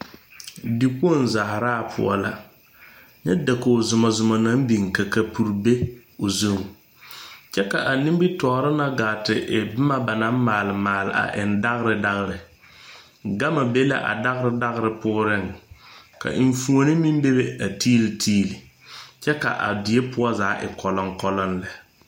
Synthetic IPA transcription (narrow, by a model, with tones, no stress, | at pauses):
di˨k͡po˦˨n˨za˨hɾaː˦˨pʰʊ̰˨ɔ̰˨la˦ | ɲɛ˦da˨ko˨zʊ˨mɔ˨zʊ˨ma˨na˦m˦bi˨ŋka˨ka˨pu˨ɾbe˦ | o˨zu˦˨ŋ˨ | t͡ʃɛ˦ka˨ʔa˨ni˦bi˦tɔː˨ɾɪ˦na˦ɡaː˨tɪ˨ʔɪ˨bɪ˦ma˦ba˨nã˦m˦maː˨lɪ˨maː˨lɪ̰˨a̰˨ʔɪ˨nda˦ɣɾɪ˨da˦ɣɾɪ˨ | ɡa˦ma˨be˦la̰˦ʔa̰˨da˦ɣɪ˦ɾɪ˦da˦ɣɪ˦ɾɪ˨pʊː˦ɾɪ˦˨ŋka̰˨ʔɪ˨ɱ˨fu˨o˦nɪ˦mi˦m˦be˦be˦a˨tiː˦lɪ˨tʰiː˦li˨ | t͡ʃɛ˦ka̰˨ʔa̰˨dɪ˨e˦pʰʊ˦ɔ˦zaː˨˦ʔɪ̰˨kɔ˨lɔ˦ŋkɔ˦lɔ˦nlɛ˨